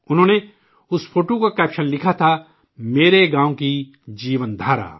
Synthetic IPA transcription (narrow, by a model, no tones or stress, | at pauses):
ʊnɦõːne | ʊspʰoːʈokakɛːpʃənlɪkʰat̪ʰa | meːɾeɡãːõki | d͡ʒiːʋənd̪ʱaːɾa̰ː